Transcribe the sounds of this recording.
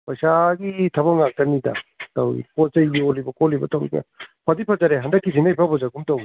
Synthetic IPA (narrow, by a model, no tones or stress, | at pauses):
pajsaɡitʰabaŋak̚tanida̰tawḭkɔzaɔlibɐkɔlibɐ̰tawḭɡa̰pʰadipʰazaɾeɦandakːizinajpʰabɔzaɡumtawi